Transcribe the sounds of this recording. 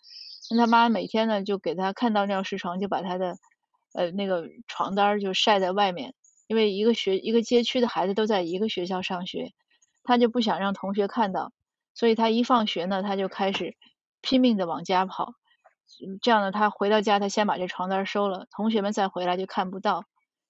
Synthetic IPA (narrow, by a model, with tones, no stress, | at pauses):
na˥˩t̪ʰa˥ma˥m˧me˨˩ɪt̪ʰjɛ˥nnə˨t͡ɕjo˥˩ʊke˨˩ɪt̪ʰa˥kʰa˥˧nt̪ɑ˥˧ʊn˥˧˥ʂɻ̩˥˩ʈ͡ʂʰwɑ˧˥ŋt͡ɕjo˥˩ʊpa˨˩t̪ʰa˥d̪ə˨ | ə˧na˥˩ɡə˩ʈ͡ʂʰwɑ̰˧˥ŋt̪a˥t͡ɕjo˥˧ʊʂa˥˧ɪt͡sa˥˧ɪwa˥˧ɪmjɛ̰˥˩n | i˥nwe˥˩ɪi˧˥ɡə˧ɕɥɛ˧˥ʔi˧˥ɡə˧t͡ɕjɛ˥t͡ɕʰy˥d̪ə˨xa˧˥ɪd͡zɹ̩˧t̪o˥ʊt͡sa˥˩ɪi˧˥ɡə˧ɕɥɛ˧˥ɕ̬jɑ˥˧ʊʂɑ˥˩ŋɕɥɛ̰˧˥ | t̪ʰa˥t͡ɕjo˥˧ʊpu˥˩ɕjɑ˨˩ŋɻɑ˥˩ŋt̪ʰʊ˧˥ŋɕ̬ɥɛ˧˥kʰa˥˧nt̪ɑ˥˩ʊ | swɔ˧˥i˨˩t̪ʰa˥i˧˥fɑ˥˩ŋɕɥɛ˧˥nə˧t̪ʰa˥t͡ɕjo˥˧ʊkʰa˥ɪʂɻ̩˨˩˦ | pʰi˥ŋmi˥˩ŋd̪ə˩wɑ˨˩ŋt͡ɕja˥pʰɑ̰˨˩˦ʊ | ʈ͡ʂɤ˥˧jɑ˥˩ŋd̪ə˩t̪ʰa˥xwe˧˥ɪɾɑ˥˧ʊt͡ɕja˥t̪ʰa˥ɕjɛ˥npa˨˩ʈ͡ʂə˥˩ə˩ʈ͡ʂʰwɑ˧˥ŋt̪a˥ʂo˥ʊlə˨t̪ʰʊ˧˥ŋɕɥɛ˧˥mə˧nt͡sa˥˩ɪxwɪla˧˥ɪt͡ɕjo˥˧ʊkʰa˥˩npu˧˥t̪ɑ˥˩ʊ